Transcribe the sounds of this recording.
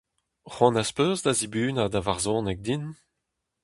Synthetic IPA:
ʁwɑ̃naspøːzd̪azibyːnad̪avaʁzɔ̃ːnɛk̚d̪in

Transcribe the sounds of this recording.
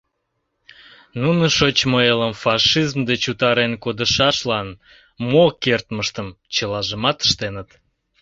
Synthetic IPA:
nunəʃot͡ɕmoeləmfɑʃizmd̪et͡ɕut̪ɑɾenkod̪əʃɑʃlɑn | mokert̪məʃt̪əm | t͡ɕəlɑʒəmɑt̪ə̥ʃt̪enət̪

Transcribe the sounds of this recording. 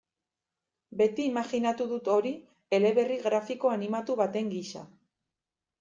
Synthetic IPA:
be̞t̪iːmaɣinat̪uðut̪o̞ɾi | e̞le̞βe̞riɣɾafiko̞animat̪uβat̪e̞ŋɡiʃa̰

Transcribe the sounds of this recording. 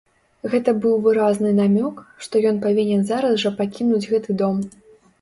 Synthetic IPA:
ɣɛt̪ɐbɨwvɨɾaznɨnamʲɔkʂt̪ɔjɔnpavʲinʲɛnzaɾɐzʐɐpakʲinud͡zʲɣɛt̪ɨd̪ɔm

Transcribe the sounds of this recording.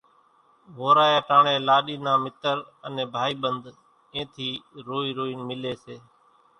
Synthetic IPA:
ʋoːɾaːjaːʈãːɳeːlaːɗiːnãːmɪt̪əɾənẽːbʱaːiːɓənd̪ | ẽːt̪ʰiːɾoːiːɾoːiːnmɪleːseː

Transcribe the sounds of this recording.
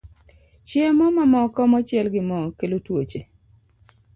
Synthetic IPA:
t͡ʃjemɔmamɔkɔmɔt͡ʃɪɛlɡɪmɔkelotwot͡ʃe

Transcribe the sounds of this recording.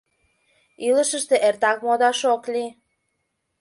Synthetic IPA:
iləʃəʃt̪eʔert̪ɑkmod̪ɑʃokli

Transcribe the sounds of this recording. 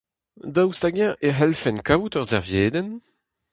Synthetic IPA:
d̪awst̪aɡjɛ̃ʔeɦɛlfɛnkaut̪œʁzɛʁvjeːd̪ɛn

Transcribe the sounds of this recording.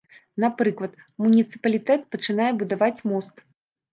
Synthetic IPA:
napɾɨklˠɐt̪ | munʲit̪sɨ̥pɐlʲit̪ɛt̪pɐt͡ʂɨnajɛbud̪avat͡sʲmɔst̪

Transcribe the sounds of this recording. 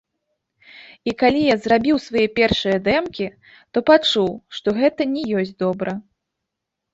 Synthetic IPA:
ikalʲijazrabʲiwsvajɛpʲɛrʂɨjɐd̪ɛmkʲi | t̪ɔpat͡ʂuwʂt̪ɔɣɛt̪ɐnʲɛjɔsʲd̪ɔbɾɐ

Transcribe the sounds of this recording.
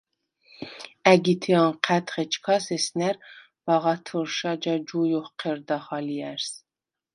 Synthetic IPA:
æɡit̪ʰiɑnqʰæt̪χet͡ʃkʰɑsesnæɾ | b̥ɑʁɑt̪ʰuɾʃɑd͡ʒɑd͡ʒujuχqʰeɾd̪ɑχɑlijæɾs

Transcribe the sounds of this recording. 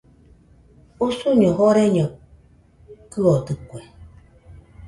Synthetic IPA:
usuɲə̃ɦoɾeɲə̃ | kɨot̪ɨkʷe

